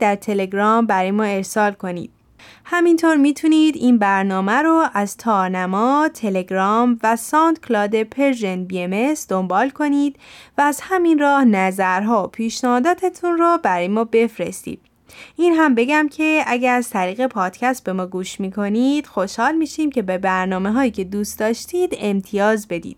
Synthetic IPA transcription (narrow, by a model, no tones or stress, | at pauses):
d̪̥æɾt̪ʰe̞le̞ɡɾɒːmbæɾɒːjemɒːe̞ɾsɒːlkʰo̞nḭːd̪̥ | hæmint̪ʰoːɾmiːt̪ʰuniːd̪iːnbæɾnɒːmæɾoʔæzt̪ʰɒːɾnæmɒːt̪ʰe̞le̞ɡɾɒːmvæsɒːnt̪kʰlɒːd̪e̞pʰeɾʒenbiemesd̪ombɒːlkʰo̞niːd̪̥væːzhæminrɒːhnæzæɾɦɒːopʰiːʃnæhɒːd̪ɒːt̪ʰet̪ʰunrɔbæɾɒjemɒːbe̞fɾe̞̰st̪ḭːd̪̥̚ | ʔiːnɦæmbe̞ɟæmcʰe̞æɟæɾæz̥t̪ʰæɾiːɣe̞pʰɒːd̪̥cʰæst̪̚be̞mɒːɡuːʃmiːkʰo̞niːd̪̥xo̞ʃhɒːlmiːʃiːmcʰe̞be̞bæɾnɒːmeɦɒːjiːcʰe̞d̪uːst̪d̪ɒːʃt̪ʰiːd̪e̞mt̪ʰijɒːzbe̞d̪ḭːd̪̥